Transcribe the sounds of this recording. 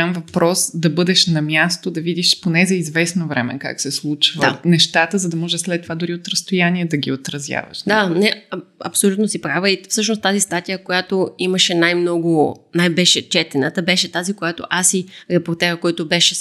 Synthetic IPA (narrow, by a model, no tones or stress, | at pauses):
amvɐpɾɔsd̪ɐbɤd̪ɛʃnɐmjast̪od̪ɐvid̪iʃponɛzɐizvɛsnovɾɛmɛ̰ka̰ksɛslˠut͡ʃvəanɛʃt̪at̪əzɐd̪ɐmɔʒɛʃslɛt̪ːovad̪ʊɾiot̪ɾəst̪ojanʲiɛd̪ɐɡʲiot̪ɾɐzʲja̰vɐ̰ʃd̪anɛɐ̰psolʲut̪nosipɾavəifsɤʃ̬nost̪azist̪at̪ijəkojat̪oiməʃɛnajmnɔɡʊnajbɛʃɛt͡ʃɛt̪ɛnət̪əbɛʃɛt̪azikojat̪o̰ʔasiɾɛpoɾt̪ɛɾəkɔjt̪obɛʃɛ